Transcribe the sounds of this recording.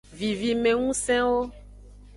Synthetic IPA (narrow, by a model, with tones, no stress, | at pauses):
vi˨vi˨mẽ˨ŋũ˦sɛ̃˦wo˦